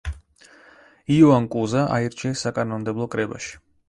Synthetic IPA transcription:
iɔankʼuzaʔa̰iɾt͡ʃʰɛsakʼanɔmd̪ɛblˠɔkʼɾɛba̰ʃi̥

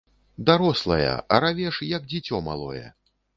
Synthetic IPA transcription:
d̪aɾɔslˠɐjɐ̰ʔɐɾavʲɛʂjɐɡd͡zʲit͡sʲɔma̰lˠɔ̰jɛ̰

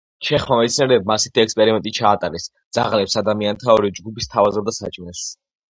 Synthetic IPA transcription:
t͡ʃʰɛχmamɛt̪sʰniaɾɛːb̚masit̪ʰiɛkspʼɛɾimɛnt̪ʼit͡ʃʰaːt̪ʼaɾɛsd̪z̥aʁlɛpsad̪amiant̪ʰaɔɾid͡ʒɡupist̪ʰavazɛb̚d̪asa̰t͡ʃʼminɛs

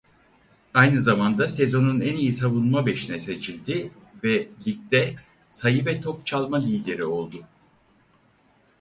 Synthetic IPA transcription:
ajnɯzamand̪ase̞zo̞nunænijisavunˠmabe̞ʃinɛse̞t͡ʃʰilʲd̪ɪvɛlʲic̚t̪ɛ | sajɯvɛt̪ʰo̞k̚t͡ʃʰalˠmad̪ʲijd̪ʲeɾio̞lˠd̪ʊ

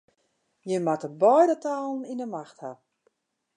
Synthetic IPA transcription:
jəmatəbɔjdətaːlˠn̩inəmaxtha

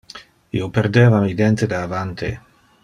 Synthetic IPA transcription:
ḭopeɾd̪eːvamid̪ent̪ed̪eavant̪ḛ

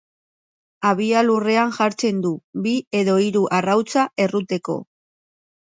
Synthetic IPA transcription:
aβ̞ialure̞aŋʝaɾt͡se̞nd̪ubie̞ðo̞iɾuʔarawt͡sae̞rut̪e̞ko̞̰

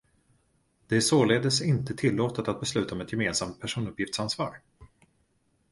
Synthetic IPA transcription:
d̪̥ɛæʂoːleːd̪əsɪnt̪ət̪ʰɪlːoːt̪ət̪at̪̚bɛslʉ̟ːt̪aɔmɛt̪jɛmeːnsamt̪̚pʰæʂuːnɵpjɪft̪sansvɑ̰ːɾ

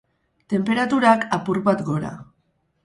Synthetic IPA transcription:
t̪e̞mpe̞ɾat̪uɾakapuɾβat̪ɡo̞ɾa̰

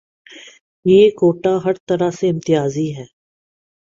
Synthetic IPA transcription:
jeːkoːʈaɦɐɾt̪ɐɾaseɪ̃mt̪ɪjaːziɦɛː

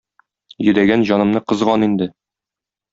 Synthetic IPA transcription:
jɵ̆d̪æɡænʑɒnɤ̆mnɤqɤ̆zʁɑnind̪ɘ

